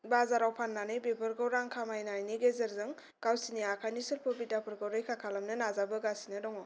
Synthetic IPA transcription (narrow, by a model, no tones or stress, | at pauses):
bazaɾawpʰanːanɯjbebɯɾɡɔwɾaŋkʰamajnajniɡezeɾzɯŋ | kawsiniakʰajnisɯlpʰɯbidapʰɯɾɡɔwɾɯjkʰakʰalamnɯnazabɯɡasinɯdɔŋɔ